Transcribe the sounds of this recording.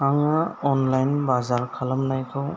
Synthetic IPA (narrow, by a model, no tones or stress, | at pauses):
aŋaɔnlajnbazaɾkʰaləmnajkʰɔw